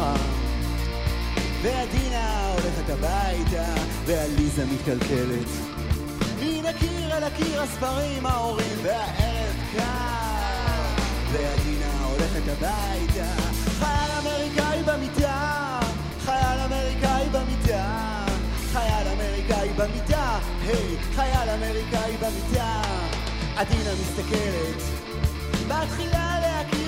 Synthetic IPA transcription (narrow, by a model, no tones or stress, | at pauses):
a | vead̪inao̞le̞χet̪abajta | vealizamit̪kalke̞let | minakiʁelakiʁhasfaʁimhao̞ʁimveaʔevka | vead̪inao̞le̞χet̪aba | jt̪a | χajalameʁikaibemita | χajalameʁikaibamita | χajalame̞ʁikaibamita | hej | χajalameʁikaibamita | ʔadinamist̪ake̞let | baat̪χilalehaki